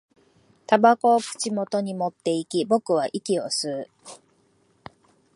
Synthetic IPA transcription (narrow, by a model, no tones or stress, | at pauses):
t̪abako̞ːkɯ̟̥t͡ɕimo̞t̪o̞ɲ̟imo̞t̪ːe̞ikʲibo̞kɯ̟β̞aʔikʲio̞sɨː